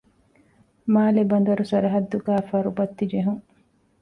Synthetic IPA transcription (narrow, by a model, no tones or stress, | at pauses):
maːlebɐnd̪ɐɾusɐɾɐɦɐd̪ːuɡæːfɐɾubɐt̪ːid͡ʒeɦuŋ